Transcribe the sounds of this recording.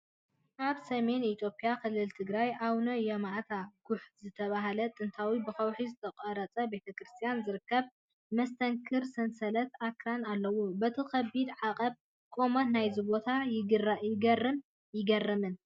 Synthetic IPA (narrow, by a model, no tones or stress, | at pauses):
ʔaβsɐme̞nit̪ʰjo̞pʼijakɨlːɨlt̪ʰɨɡɾajʔawnojɛmaʔt̪ʰaɡ̥ʊħzɨt̪ʰɐβaɦalɐt̪ʼɨnt̪ʰawibɨxɐwħizɨt̪ʰɐkʼɐɾɐt͡sʼɐbe̞t̪ʰɐkɾɨst̪ʰijanzɨɾɨkːɐβ | mɐst̪ʰɐŋkʰɨɾsɐnsɐlɐt̪akʰɾanalːɐwubɐt̪ʰikɐbid̪ʕaqʼɐb | kʼo̞mɐt̪najzɨβo̞t̪ʰajɪɡɨrajɪɡɐrɨm | jɪɡɐrːɐmɨn